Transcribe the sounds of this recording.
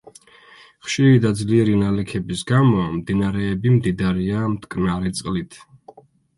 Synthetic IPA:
χʃiɾid̪ad̪zliɛɾinalɛkʰɛbisɡamɔmd̪inaɾɛːbimd̪id̪aɾiamt̪ʰkʼnaɾɛt̪sʼqʼlit̪ʰ

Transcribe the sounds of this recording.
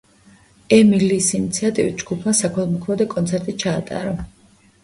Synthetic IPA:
ɛmiliːsinit̪sʰiat̪ʼivḭt̪̚d͡ʒɡupʰmasakʰɔlˠmɔkʰlɔd̪ɛkʼɔnt̪sʰɛɾt̪ʼit͡ʃʰaːt̪ʼa̰ɾɔ

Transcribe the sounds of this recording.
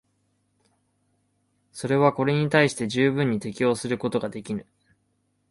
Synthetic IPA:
so̞ɾe̞β̞ako̞ɾe̞ɲ̟it̪aiɕi̥t̪e̞ʑɨːbɯ̟̃ɲ̟ːit̪e̞kʲijo̞ːsɨɾɯ̟ko̞t̪o̞ɡad̪e̞kʲinɯ̟

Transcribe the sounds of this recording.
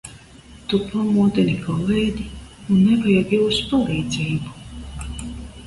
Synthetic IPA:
t̪upʰamuːd̪ɛnikʰɔlˠejd̪ʲiunːɛvajɛɡiwuspalˠɛjd̪zɛjubu

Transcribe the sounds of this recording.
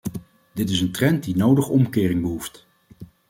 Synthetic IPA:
dɪtɪsəntrɛnt̚dinowdəχɔmkɪːrɪŋbəɦuft

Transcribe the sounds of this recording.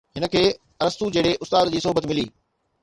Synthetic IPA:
ɦɪnə̆kʰeː | ɐɾəst̪ud͡ʑɐɪɽeʔʊst̪aːd̪d͡ʑiːsɐɦbət̪mɪlḭː

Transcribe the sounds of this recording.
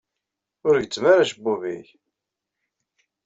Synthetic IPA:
ʊɾɡət͡sːmaɾaʃbuviç

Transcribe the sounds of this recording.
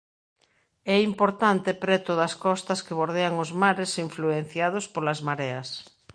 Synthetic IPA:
ɛimpoɾt̪ant̪epɾɛt̪oðɐskɔst̪ɐskeβ̞oɾðeaŋozmaɾesiɱfluen̟θjað̞ospolazmaɾeɐs

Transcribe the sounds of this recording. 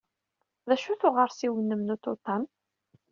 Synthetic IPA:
ðæʃuθʊʁəɾsiwənːəmnut̪ot̪ˤːɑm

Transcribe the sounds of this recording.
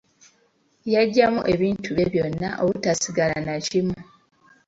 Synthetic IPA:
jaɟːamṵʔe̞βiːntʰuβeβjo̞nːaʔoβutasiɡalanacimu

